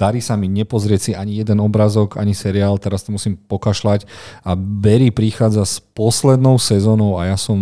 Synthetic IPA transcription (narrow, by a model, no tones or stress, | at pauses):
d̪aɾiːsamiɲɛpɔzɾɪɛsiaɲijɛd̪ɛnɔbɾaːzɔɡa̰ɲisɛɾiaːlt̪ɛɾast̪ɔmusiːmpɔkaʃlacabɛɾipɾixaːd͡zaspɔslɛd̪nɔʊsɛzɔːnɔʊajasɔm